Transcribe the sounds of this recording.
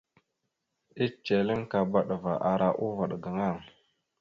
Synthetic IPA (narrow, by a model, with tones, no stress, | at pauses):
i˦t͡ʃe˨li˦ŋka˨ba˨ɗva˨ʔa˨ɾa˦ʔu˦va˨ɗɡa˨ŋa˦˨ŋ